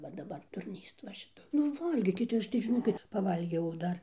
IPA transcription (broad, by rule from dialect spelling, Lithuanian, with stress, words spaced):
ʋɐ dɐˈbɐr dʊrʲˈnʲiːst ʋɐ ʃʲɪˈtɐ nʊ ˈʋɐlʲɡʲiːkʲɪt ˈɐʃ tɐɪ ʒʲɪˈnoːkʲɪt pɐˈʋɐlʲɡʲɛʊ ˈdɐr